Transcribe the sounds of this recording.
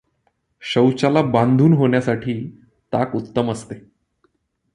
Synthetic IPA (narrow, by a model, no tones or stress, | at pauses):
ɕəwt͡ɕalabãnd̪ʱuːnɦoɳjasaʈʰiː | t̪akut̪ːəməst̪e